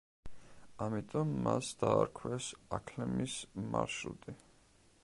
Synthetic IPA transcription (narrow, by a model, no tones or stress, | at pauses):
amit̪ʼɔmːasd̪̥aːɾkʰwɛsakʰlɛmismaɾʃɾṵt̪ʼi